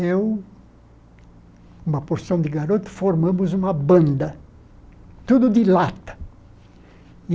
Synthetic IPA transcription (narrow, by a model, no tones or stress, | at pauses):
ew | ũmɐpoɾsɐ̃w̃d̪ɪɡaɾot̪ʊ̥foɾmɐ̃mʊzũmɐbɐ̃nd̪ɐ | t̪ud̪ʊd̪ɪlat̪ɐ̥